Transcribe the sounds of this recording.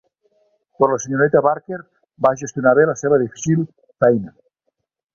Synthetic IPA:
poɾlaseɲoɾet̪aβaɾkeɾ | baʒest̪junaβelaseβaðifi̥sil | fɛjna

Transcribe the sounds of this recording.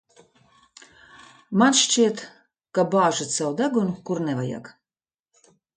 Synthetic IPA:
manʃt͡ʃiɛt̪ | kabaːʒat̪sawd̪aɡunkuɾnɛvaja̰k

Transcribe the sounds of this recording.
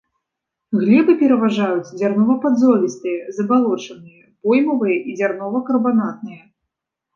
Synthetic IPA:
ɣlʲɛbɨpʲɛɾɐvaʐajut͡sʲd͡zʲarnɔvɐpad̪zɔvʲist̪ɨjɐzɐbalˠɔt͡ʂɐnɨjɐpɔjmɐvɨjɐʔid͡zʲarnɔvɐkɐrbanat̪̚nɨjɐ

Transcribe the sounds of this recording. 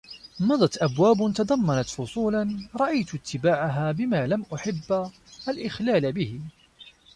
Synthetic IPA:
mɑd̪ˤɑt̪ʔabwaːbt̪ɑd̪ˤɑmːɑnɑt̪fʊsˤuːlanɾˤɑʔajt̪t̪ːɪbaːʕaɦaːbɪmaːlamʔʊħɪbː | ʔalʔɪxlaːlbɪhɪ

